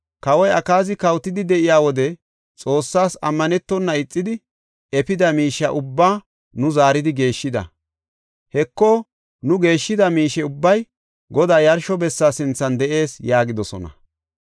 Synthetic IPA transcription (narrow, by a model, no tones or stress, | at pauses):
kɐwɔjɐkaːzɪkɐwt̪ːɪd̪ɪd̪ɛʔɪjaːwɔd̪ɛ | t͡sʼo̞ːsːaːsɐmːɐnɛt̪ːɔnːɐɪt͡sʼːɪd̪ɪ | ɛpɪd̪ɐmiːʃːɐʔʊbːaː | nʊzaːɾɪd̪ɪɡe̞ːʃːɪd̪ɐ̰ | hɛkːɔ | nʊɡe̞ːʃːɪd̪ɐmiːʃɛʊbːɐj | ɡɔd̪aːjɐɾʃɔbɛsːaːsɪnt͡sːɐnd̪ɛʔe̞ːsjaːɡɪd̪ɔsɔ̰nɐ̰